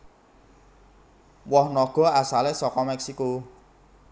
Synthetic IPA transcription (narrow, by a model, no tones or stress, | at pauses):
wɔhnɔɡ̥ɔ̤asalesɔkɔmɛksiko